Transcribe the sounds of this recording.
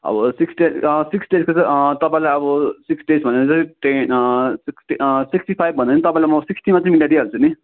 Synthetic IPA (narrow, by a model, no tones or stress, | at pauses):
ʌ̰bʌsiksʈesiksɖeskot͡sʌt̪ʌpãĩlajʌbʌsiksɖesbʱʌneɾt͡sʌ̃ʈesiksʈisiksʈipʰajb̚ʱʌndt͡snit̪ʌpaĩlamʌsiksʈimat͡saimiɳʈaʈiɦʌɾut͡sʰuni